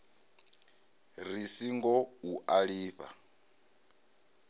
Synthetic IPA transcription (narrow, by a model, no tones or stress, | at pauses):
risiŋɡɔuʔaɺiːɸa̰